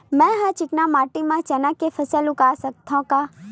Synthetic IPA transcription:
mɛ̃ɦə̃t͡ʃɪknamaːʈimãt͡ʃɐnãkefʰəsəlʊkaːsɐk̚t̪ʰãkaː

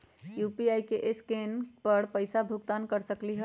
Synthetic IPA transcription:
jupiajkeʔeskenpəɽpəjsabʱuɡt̪ankəɾsəkliɦə

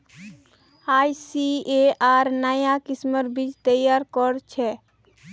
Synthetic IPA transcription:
ajsieaːɾnajakisməɾbʱit͡ʃt̪əjaɾkɔɾt͡ʃʰɛ

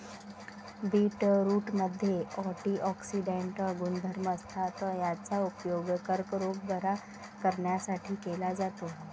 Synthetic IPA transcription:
biːʈɾuːʈməd̪ʱːjeɔʈiʔɔksiɖeɳʈəɡuːnd̪ʱəɾməst̪ʰat̪jat͡saupjoɡkəɾkɾoɡbəɾa | kəɾɳjasaʈʰiːkelad͡zat̪o

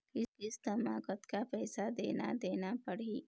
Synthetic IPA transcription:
kɪkɪst̪ɐmaːkət̪kapɛːsad̪ḛːna̰d̪eːnapɐɽiː

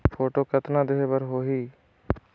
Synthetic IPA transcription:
pʰoːʈoːkət̪nãːd̪ɪɦebəɾɦoːɦiː

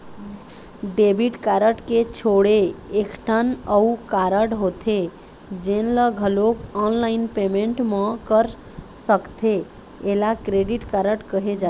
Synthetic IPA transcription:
ɖebiʈkaɾəʈket͡ʃʰoɽeekʈʰənəukaɾəʈɦot̪ʰe | d͡ʒenləɡʱəlokɔnlaɪnpemẽɳʈmə̃kəɾ | səkt̪ʰe | elakɾeɖiʈkaɾəʈkəɦed͡ʒa

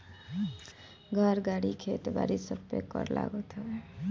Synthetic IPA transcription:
ɡʱəɾɡaɽikʰet̪ba̰ɾisəpekːəɾla̰ɡot̪ɦɔe

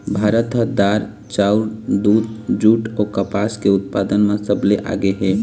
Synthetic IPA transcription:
bʱaɾət̪ɦəd̪aɾ | t͡ʃauɾd̪ud̪d͡ʒuʈokəpaskeut̪̚pad̪ənmãsəbleʔa̰ɡeɦɛ

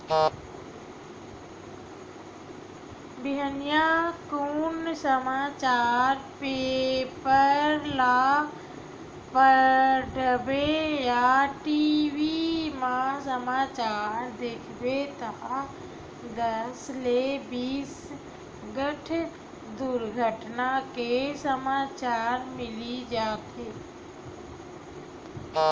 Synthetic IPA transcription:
bɪɦənijãkuːnsəmaːt͡ɕaːɾpeːpəɾɾlaː | pəɖəbejaʈiʋimãsəmaːt͡ʃaːɾd̪eːkʰbet̪a | d̪əslebiːs | ɡəʈʰ | d̪uɾɡʱəʈnakesəmaːt͡ʃaːɾmɪlid͡ʒaːt̪eː

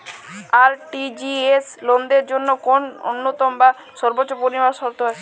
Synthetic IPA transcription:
aɾʈid͡ʑieslond̪eɾd͡ʑonːokono̰nːot̪ɔmba | ʃɔɾbotːt͡ɕːopoɾimaɾʃɔɾt̪oat͡ɕʰe

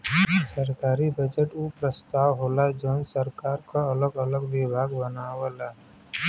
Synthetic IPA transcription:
səɾkaːɾibəd͡ʒəʈuːpɾəst̪aːwɦoːlad͡ʒonsəɾkaːɾkoɐləɡələɡʋɪbʱaːɡbənaːwəlaː

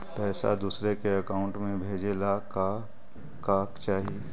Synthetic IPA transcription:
pɛːsa̰d̪uːsɾekeəkaːʊ̃ɳʈmẽbʱeːd͡ʒelaka | kaːkt͡ʃaːɦie

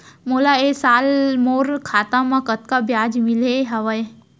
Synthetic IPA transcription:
molaesalmoɾkʰat̪ãmãkət̪kabjad͡ʒmileɦəʋəj

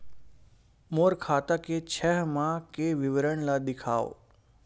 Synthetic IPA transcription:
moːɾkʰaːt̪aket͡ʃʰɛɦmãkeʋɪʋɾəɳ̃lad̪ɪkʰaːo̰

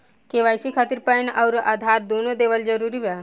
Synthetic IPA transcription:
keʋajsikʰat̪iɾpənaʊɾa̰ːd̪ʱaːɾd̪oːnod̪eʋəld͡ʒəɾuɾiʋa

